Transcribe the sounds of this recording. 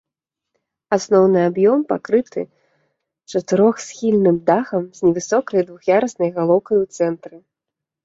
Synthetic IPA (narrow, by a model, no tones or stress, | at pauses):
asnɔwnɨabjɔmpakɾɨt̪ʰɨ̰ | t͡ʂɐt̪ɨɾɔxsʲxʲilʲnɨmd̪axɐmz̥ʲnʲɛvɨsɔkɐjd̪vuxjaɾɐsnɐjɣalˠɔwkɐjwt̪sɛnt̪ɾɨ